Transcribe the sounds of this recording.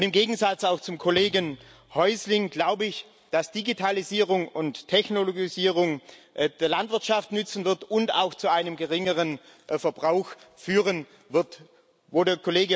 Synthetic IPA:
ʊntɪmɡeːɡŋ̩zat͡saʊxt͡sʊmkʰoleːɡən | hɔʏslɪŋɡlaʊbəɪç | d̥asd̥iɡitʰaliziːʁʊŋʊntʰːɛçnoloɡiziːʁʊŋd̥eːɐlantv̥ɪɐtʃaftnʏt͡sn̩vɪɐtʊnta̰ʊxt͡suaɪnəmɡəʁɪŋəʁən | fɛɐbʁaʊxfyːʁən | vɪɐt | voːdeːɐkʰoleːɡə

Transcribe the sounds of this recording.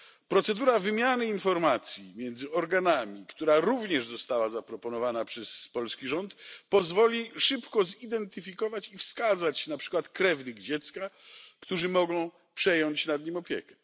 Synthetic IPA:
pɾɔt̪sɛd̪uɾavɘmʲjanɘinfɔɾmat̪sʲjimʲjɛnd̪zɘɔɾɡanamʲikt̪uɾaɾuvɲɛʐzɔst̪awazapɾɔpɔnɔvanapʂɛspɔlskʲiʐɔnt̪pɔzvɔlʲiʂɘpkɔzid̪ɛnt̪ɘfʲikɔvat͡ɕifskazat͡ɕnapʂɘ̥kwat̪kɾɛvnɘɡd͡ʑɛt̪skakt̪uʐɘmɔɡɔ̃w̃ | pʂɛjɔɲt͡ɕnad̪ɲimɔpʲjɛ̰kɛ̥

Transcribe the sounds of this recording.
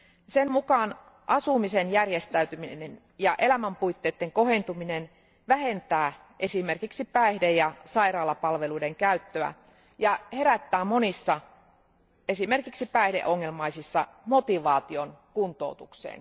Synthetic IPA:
semmukɑːn | ʔɑsumisenjærjest̪æyt̪yminen | jɑʔelæmæmpuijt̪ːeːt̪ːeŋko̞hent̪uminen | ʋæhe̞nt̪æː | ʔe̞sime̞rkiksipæehdejɑsɑirɑːlɑpɑlʋe̞luideŋkæyt̪ːøæ̰ | jɑhe̞ɾæt̪ːæːmo̞nisːɑ | e̞sime̞rkiksipæehde̞̰ʔoŋːe̞lmɑijsisːɑ̰mo̞t̪iʋɑːt̪io̞nkunt̪o̞̰ut̪uksḛːn

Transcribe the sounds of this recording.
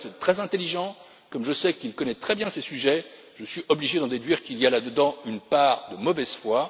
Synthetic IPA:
sɛt̪χɛzɛ̃t̪eliʒɑ̃ | kɔmʒəsɛkilkɔnɛt̪χɛbjɛ̃sesyʒɛ | ʒəsɥiʔɔbliʒed̪ɑ̃d̪ed̪ɥiʁkilialad̪əd̪ɑ̃ynpaːʁd̪əmɔvɛz̥fwa

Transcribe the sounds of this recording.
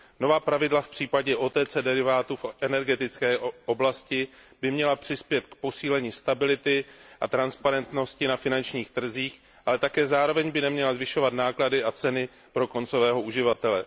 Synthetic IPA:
no̞vaːpɾavɪdlafpr̥iːpaɟɛʔo̞t̪ɛt͡sɛdɛɾɪvaːt̪ufʔɛnɛɾɡɛt̪ɪt͡skɛːʔo̞blascɪ | b̥ɪmɲɛlapr̥ɪspjɛt̪kpo̞siːlɛɲiːst̪abɪlɪt̪ɪʔat̪ɾanspaɾɛnt̪no̞scɪnafɪnant͡ʃɲiːxt̪r̩ziːx | ʔalɛt̪akɛːzaːɾo̞vɛɲbɪnɛmɲɛlazvɪʃo̞vat̪naːkladɪʔat͡sɛnɪ | pɾo̞ko̞nt͡so̞vɛːɦo̞ʔuʒɪvat̪ɛlɛ

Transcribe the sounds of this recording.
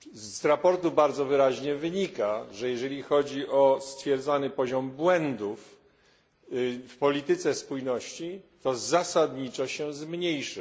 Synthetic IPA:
zɾapɔɾt̪ubaɾd̪zɔvɘɾaʑɲɛvɘɲikaʐɛjɛʐɛlʲixɔd͡ʑiʔɔst̪fʲjɛɾd̪zanɘpɔʑɔmbwɛnd̪uf | fpɔlʲit̪ɘt̪sɛspujnɔɕt͡ɕit̪ɔzasad̪ɲit͡ʂɔɕɛzmɲejʂɘ

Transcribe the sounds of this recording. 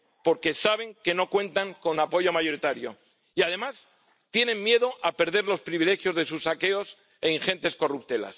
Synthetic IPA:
po̞ɾke̞saβ̞e̞ŋke̞no̞kwẽ̞nt̪aŋko̞napo̞ʝo̞maʝo̞ɾit̪aɾjo̞ | iað̞e̞mas | t̪je̞nẽ̞mmje̞ðo̞ʔape̞ɾð̞e̞ɾlo̞spɾiβile̞xjo̞zðe̞susake̞o̞s | e̞iŋxe̞nt̪e̞sko̞rup̚t̪e̞la̰s

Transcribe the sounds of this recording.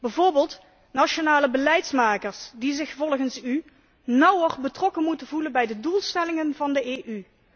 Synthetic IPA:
b̥ɛjvoːɹbeːlˠt | naʃonaːləbəlɛjtsmaːkəɹsdizɪxvɔlˠχənsy | nʌwərbətrɔkənmutənvulənbɛjdədulˠstɛlɪŋənvɑndəeːʔy

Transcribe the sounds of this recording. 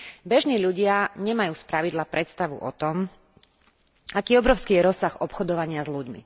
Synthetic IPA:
bɛʒniːʎuɟɪaɲɛmajuːspɾaʋid̪lapɾɛt̪st̪aʋṵʔɔ̰t̪ɔm | akiːɔbɾɔʊskiːjɛɾɔsːaɣɔpxɔd̪ɔʋaɲɪazʎuɟmḭ

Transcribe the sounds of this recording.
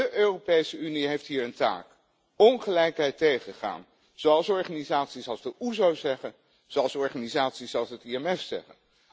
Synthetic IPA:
dəʔøːropejsəyniɦejftɦiːɹənta̰ːk | ɔnχəlɛjkɦɛjtejχəχa̰ːn | z̥owɑlˠsɔɹχaːnizaːtsisɑlˠzdəʔuzowzɛχən | zoɑlˠsɔɹχaːnizaːtsisɑlˠsətiɛmɛfsɛ̰χə̰n

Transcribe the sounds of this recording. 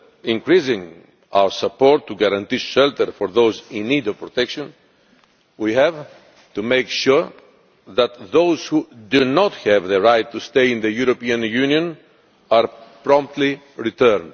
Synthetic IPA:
ĩŋkɾizĩŋ | a̰wəsapoɾt̪ʰːuɡaɾãnt̪iʃɛlt̪əɾfɔɾðowzĩnːid̪ɔv̥pɾɔt̪ɛkʃɔ̃n | wihɛv | t̪umejkʃuɹ | ðæt̪ðowzhud̪unɔt̪hɛvðəɹajt̪ʰːust̪ejĩnðəjuɾopiãnjunjõn | aɾpɾɔ̃mp̚t̪li | ɹit̪əɾnd

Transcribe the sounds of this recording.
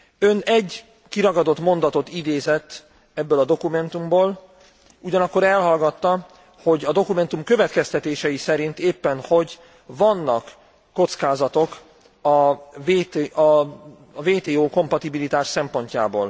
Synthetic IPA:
ønɛɟː | kiɾɒɡɒd̪o̞t̪mo̞nd̪ɒt̪o̞t̪id̪eːzɛt̪ː | ɛbːølɒd̪o̞kumɛnt̪umboːl | uɟɒnɒkːo̞ɾɛlɦɒlɡɒt̪ːɒ | ho̞ɟɒd̪o̞kumɛnt̪umkø̞vɛt̪kɛst̪ɛt̪eːʃɛjisɛɾint̪eːpːɛnho̞ɟ | vɒnːɒkː | o̞t̪skaːzɒt̪o̞k | ɒveːt̪ːɒ | veːt̪eːoːko̞mpɒt̪ibilit̪aːʃsɛmpo̞ɲca̰ːbo̰ːl

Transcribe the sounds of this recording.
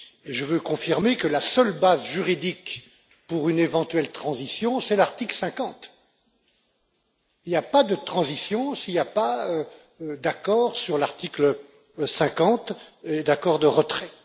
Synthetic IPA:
ʒəvøkɔ̃fiʁmekəlasœlbazʒyʁid̪ik | puʁynevɑ̃t̪yɛlt̪χɑ̃zisjɔ̃sɛlaʁt̪iklsɛ̃kɑ̃t̪ | iljapad̪ət̪χɑ̃zisjɔ̃siljapaø | d̪akɔːʁsyʁlaʁt̪iklə | sɛ̃kɑ̃t̪ed̪akɔʁd̪əʁət̪χɛ

